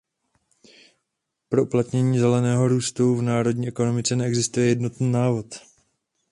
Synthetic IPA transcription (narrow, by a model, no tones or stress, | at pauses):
pɾo̞ʔuplat̪ɲɛɲiːzɛlɛnɛːɦo̞ɾuːst̪uvnaːɾo̞dɲiːʔɛko̞no̞mɪt͡sɛnɛɛɡzɪst̪ujɛjɛdno̞t̪niːnaːvo̞t̪